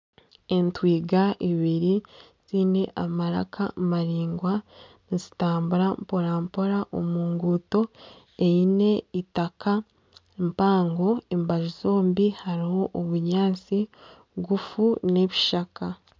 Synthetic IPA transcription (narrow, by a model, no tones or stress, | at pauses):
entwiːɡaʔiβiɾi | z̥ine̞ʔamaɾa̰kʰa̰maɾiːŋɡwa | nizitaːmbuɾampo̞ɾampo̞ɾaʔo̰muːŋɡuto̞ | ejine̞itakʰa | mpaːŋɡo̞embaʒizo̞ːmbihaɾiho̞ʔoβuɲaːnt͡si | ɡufune̞βiʃaka